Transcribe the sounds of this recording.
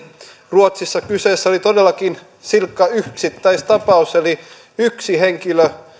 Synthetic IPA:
ruot̪sisːɑkyseːsːæolit̪odelːɑkin | silkːɑyksit̪ːæist̪ɑpɑuseli | yksiheŋkilø

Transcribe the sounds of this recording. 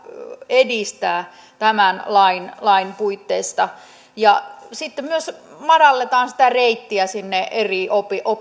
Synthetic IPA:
edist̪æː | t̪æmænlɑinlɑinpuit̪ːeist̪ɑ | jɑsit̪ːemmyøs | mɑdɑlːet̪ɑːnsi̥t̪æreit̪ːiæsinːeʔeriʔopiʔo

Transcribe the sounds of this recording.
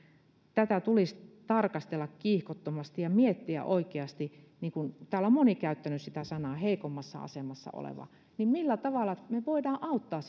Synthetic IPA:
t̪æt̪æt̪ulist̪ɑrkɑst̪elːɑkkiːhkot̪ːomɑst̪ijɑmiet̪ːiæ̰ʔoikeɑst̪i | niːŋkunt̪æːlommonikæyt̪ːænyssit̪æsɑnɑːheikomːɑsːɑ̰ɑ̰semɑsːɑ̰o̰lḛʋɑ̰ | nimmilːæt̪ɑʋɑlːɑmeʋoidɑːʔʔɑut̪ːɑːs

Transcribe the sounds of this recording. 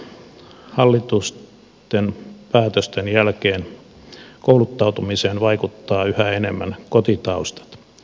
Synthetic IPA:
hɑlːit̪us | t̪enpæːt̪øst̪enjælkeːn | koulut̪ːɑut̪umiseːnʋɑikut̪ːɑːyhæenemːænkot̪it̪ɑust̪ɑ̥t̪

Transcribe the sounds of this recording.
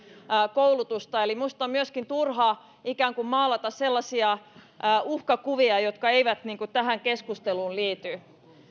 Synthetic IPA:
koulut̪ust̪ɑelimust̪ɑmmyøskint̪urhɑ | ikæːŋkummɑːlːɑt̪ɑsselːɑsiɑː | uhkɑkuʋiɑjot̪kɑeiʋæt̪niːŋkut̪æhæŋkeskust̪eluːlliːt̪y

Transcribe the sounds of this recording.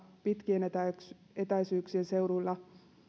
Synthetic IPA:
pit̪kienet̪æ | et̪æjsyːksiense̞uɾulːɑ

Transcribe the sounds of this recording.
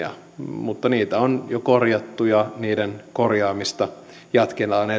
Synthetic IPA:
ɑ̰ | mut̪ːɑniːt̪æonjokorjɑt̪ːujɑniːdenkorjɑːmist̪ɑ | jɑt̪kelɑːne

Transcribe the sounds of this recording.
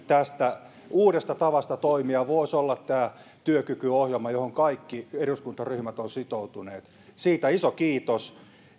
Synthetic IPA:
t̪æst̪æ | uːɾest̪ɑt̪ɑʋɑst̪ɑt̪oimiɑʋoˑisolːɑt̪tæːt̪yøkykyohjelmɑjohoŋkɑikːieruskunt̪ɑryhmæt̪onsit̪out̪uneːt̪ | siːt̪æisokiːt̪os

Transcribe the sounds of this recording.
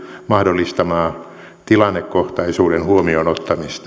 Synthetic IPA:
mɑhdolːist̪ɑmɑː | t̪ilɑnːekkoht̪ɑisuːɾenhuomionot̪ːɑmist̪

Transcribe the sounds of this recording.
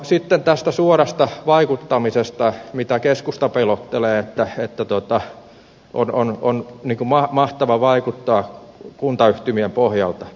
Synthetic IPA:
sit̪ːent̪æst̪æsuorɑst̪ɑʋɑikut̪ːɑmisest̪ɑmit̪ækeskust̪ɑpelot̪ːeleːet̪ːæet̪ːæt̪ot̪ɑ | ʔonononniːkumɑmɑht̪ɑʋɑʋɑikut̪ːɑːkunt̪ɑyht̪ymiempohjɑ̰lt̪ɑ

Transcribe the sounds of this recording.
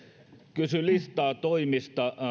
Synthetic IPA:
kysylist̪ɑːt̪oimist̪ɑ

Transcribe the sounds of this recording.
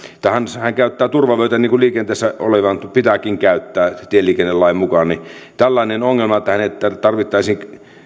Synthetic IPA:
t̪ːæhænshæŋkæˑyt̪ːæːt̪urʋɑʋøˑyt̪æniːŋkuliːkent̪eˑːsːæo̰leʋɑnt̪pit̪ækiŋkæˑyt̪ːæːt̪ielːiːkenːelɑˑimmukɑnnit̪ælːæˑinenoŋːelmɑet̪ːæhænet̪ːæt̪ɑrʋit̪ːɑˑisiːŋ

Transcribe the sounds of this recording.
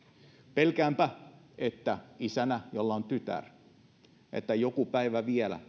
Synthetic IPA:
pelkæːmpæ | et̪ːæisænæjolːɑont̪yt̪æ̰r | ʔḛt̪ːæjokupæiʋæʋiælæ̰

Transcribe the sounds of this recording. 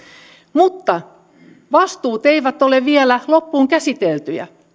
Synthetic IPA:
mut̪ːɑ | ʋɑst̪uːt̪eiʋæt̪ːoleʋiɛlælopːuːŋkæsit̪elt̪yjæ̰

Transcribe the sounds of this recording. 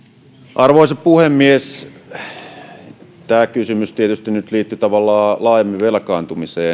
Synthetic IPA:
ʔɑrʋoisɑppuhemːies | t̪æːkysymyst̪iet̪yst̪innyt̪liːt̪ːyt̪ɑʋɑlːɑːlɑːjemːiʋelkɑːnt̪umiseː

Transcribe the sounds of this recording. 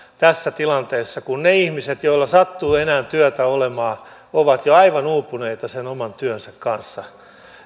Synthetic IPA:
t̪æsːæt̪ilɑnt̪eːsːɑkunneihmiset̪joilːɑsɑt̪ːuːenæːnt̪yøt̪æolemɑː | oʋɑt̪joɑiʋɑnuːpːuneit̪ɑsenomɑnt̪yønsækkɑnsːɑ

